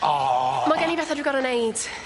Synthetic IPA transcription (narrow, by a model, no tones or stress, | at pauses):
ɔmaɡɛnibɛθadwiɡɔɾənejd̥